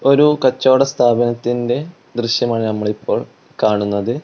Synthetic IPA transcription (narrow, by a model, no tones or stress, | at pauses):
o̞ɾukɐt͡ɕːo̞ːɽɐst̪ʰaːbɐnɐt̪ːinde̞ | d̪rɨɕjɐmaːɳɨnɐmːɐɭipʰːo̞ːɭ | kaːɳunːɐðɨ